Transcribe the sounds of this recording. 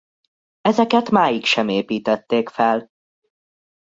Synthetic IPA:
ɛzɛkɛt̪maːjikʃɛmeːpiːt̪ɛt̪ːeːkfɛl

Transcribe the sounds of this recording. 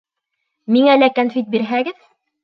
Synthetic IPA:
miŋælækanfʲit̪̚biɾɦæɡɘð

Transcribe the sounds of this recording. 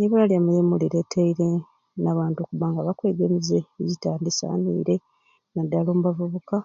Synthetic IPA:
neβulalijamujemuliɾe̞tʰaiɾe | naːβaːntokuβaŋɡaβakwe̞ːɡemizeːɟitaːndisa̰ːnḭːɾe̞ | nadːaloːmuβavuβuka

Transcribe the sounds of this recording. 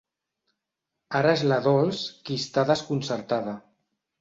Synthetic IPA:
aɾaezlaðɔlskist̪aðəskunsəɾt̪aðə

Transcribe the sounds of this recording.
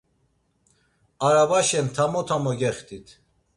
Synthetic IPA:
aɾabaʃɛnt̪ʰamɔt̪ʰamɔɡɛχt̪ʰʼit̪ʰ

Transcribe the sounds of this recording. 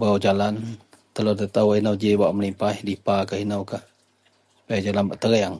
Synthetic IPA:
baawd͡ʒalan | t̪əlodət̪awainawd͡ʒebaʔməlipailipakahinawkah | pajad͡ʒalanbaʔt̪əɣəjaŋ

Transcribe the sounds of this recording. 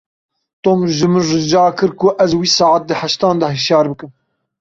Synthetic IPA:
t̪oːmʒɨmɨnrɨd͡ʒɑːkɨɾkʊʔæzwiːsɑːʕat̪̚d̪ɨhæʃt̪ɑːnd̪ɑɦiʃjɑːɾbɨkɨm

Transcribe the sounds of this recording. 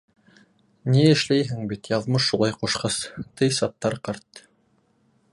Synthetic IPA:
niɘ̆ʃlæjɦɘŋbit̪jɑðmɤʃːulˠɑjquʃqɑst̪ɤjsɑt̪ːɑɾqɑɾt̪

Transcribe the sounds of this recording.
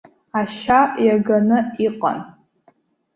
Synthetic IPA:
aʃajaɡanɨiqʼa̰n

